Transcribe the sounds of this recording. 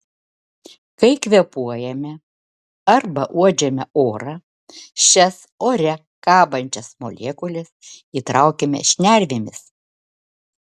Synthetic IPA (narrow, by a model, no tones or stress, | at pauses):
kɐɪkʲʋʲɛpuɔjɛmʲɛ | ɐɾbɐʔuɔd͡ʒʲɛmʲɛoːɾɐ | ʃʲɛs | oːɾʲɛ | kɑːbɐnʲt͡ʃʲɛsmo̰lʲeːkʊlʲɛsiːt̪ɾɑʊkʲemʲɛ̰ʃʲnʲæˑlʲʋʲemʲɪs